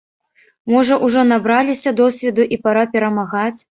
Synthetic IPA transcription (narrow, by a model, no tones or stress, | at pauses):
mɔʐɐʔuʐɔnabɾalʲisʲɐd̪ɔsʲvʲɛd̪uʔipaɾapʲɛɾɐmaɣat͡sʲ